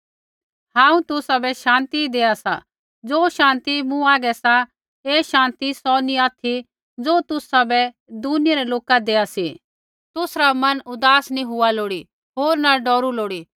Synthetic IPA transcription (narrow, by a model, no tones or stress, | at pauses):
hãːũt̪ʊsabɛʃãːnt̪id̪eːasa̰ | d͡zoːʃãːnt̪imũaːɡɛsa | eːʃãːnt̪isɔniaːt̪ʰi | d͡zoːt̪ʊsabɛ | d̪unɪjaɾɛloːkad̪eːasi | t̪ʊsɾamɐnʊd̪aːsnĩɦʊaloːɽi | ɦoːɾnaɖɔːɾuloːɽiː